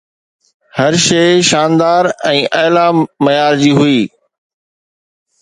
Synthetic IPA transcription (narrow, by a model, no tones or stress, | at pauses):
hɐɾʃeːɪʃaːnd̪aːɾɛ̃ːʔɐːlamɐjaːɾd͡ʑiːɦʊiː